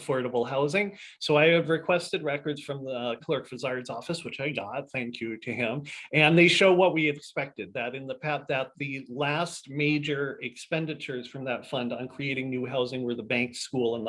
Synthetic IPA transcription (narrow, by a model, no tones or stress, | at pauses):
fɔɹɾəbl̩ˠɦaʊzɪ̃ŋsoʊaɪɨvɹɨkʰw̥ɛstɨd̚ɹɛkə˞dz̥fɹʌ̃mðəkʰl̥ɜ˞kfɨzɑɹdzɔfɨswɨt͡ʃaɪɡɑt̚θæ̃ŋkʰjɨɾɨɪ̃mɨ̃nðeɪʃoʊwʌt̚wiɨkspɛk̚tɨd̪̚ðɨɾɨ̃nðɨpʰæp̚ðɨt̪̚ðɨlæst̚meɪd͡ʒə˞ɨkspɛ̃ndɨt͡ʃə˞z̥fɹʌ̃mðɨtfʌ̃ndn̩kʰɹ̥ieɪɾɪ̃ŋnʉɦaʊzɪ̃ŋwə˞ðəbæ̃ŋkskulˠə̃nð